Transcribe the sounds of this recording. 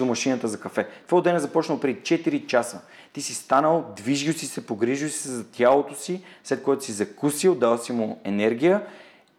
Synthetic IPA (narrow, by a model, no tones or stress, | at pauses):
omɐʃinət̪əzɐkɐfɛt̪vaʊd̪ɛnɛzɐpɔt͡ʃnəlˠpɾʲɛd̪it͡ʃɛt̪iɾit͡ʃasə | t̪isist̪anəlˠd̪viʒilsisɛpoɡɾiʒilsi̥sɛzɐt̪ʲjalˠot̪osislɛt̪̚koɔjt̪ʊsizɐkusilˠd̪alˠsimʊɛnɛɾɡʲijə